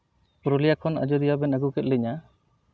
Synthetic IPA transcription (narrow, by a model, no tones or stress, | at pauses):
pɔɾɔlijakʰɔna̰d͡ʒɔɾijabɛnaɡukɛt̪̚lɛɲa